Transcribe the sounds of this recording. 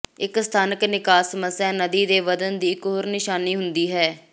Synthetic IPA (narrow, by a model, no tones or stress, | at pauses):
ɪkst̪ʰaːnəknɪkaːsəməsːjãːnəd̪iːd̪eːʋəd̪ənd̪iːkɦoːɾnɪʃaːniːɦʊnd̪iːɦɛː